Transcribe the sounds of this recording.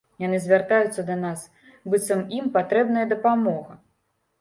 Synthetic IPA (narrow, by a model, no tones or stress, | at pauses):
janɨzʲvʲart̪ajut̪sːɐd̪ɐnas | bɨt̪sɐmimpat̪ɾɛbnɐjɐd̪ɐpamɔɣɐ